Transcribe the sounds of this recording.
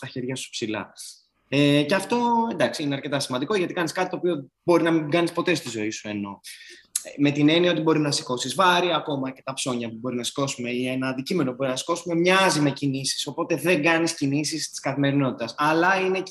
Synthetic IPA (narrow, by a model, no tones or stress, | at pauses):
t̪ɐçe̞ɾʝɐsu̥psilɐ̰ | eceɐft̪o̞end̪ɐksiineɐɾce̞t̪ɐsimɐnd̪iko̞ʝɐt̪ikɐniskɐt̪it̪opio | bo̞ɾinɐmiɡɐnispo̞t̪est̪izo̞isue̞no̞̰ | me̞t̪ine̞niɐo̞t̪ibo̞ɾinɐsi̥ko̞sizvɐɾiɐːko̞mɐce̞t̪ɐpso̞ɲɐpubo̞ɾinɐsi̥ko̞sume̞ienɐːnd̪icime̞nobo̞ɾinɐsi̥ko̞sume̞mɲɐzime̞cinisi̥so̞po̞t̪e̞ðe̞ŋɡɐniscinisist̪i̥skɐθime̞ɾino̞t̪it̪ɐsɐlɐine̞